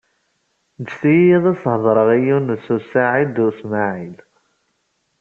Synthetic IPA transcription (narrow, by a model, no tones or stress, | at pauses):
d̪sijijæðˤɑshðˤɾˤəʁijunəsusaʕid̪usmaʕil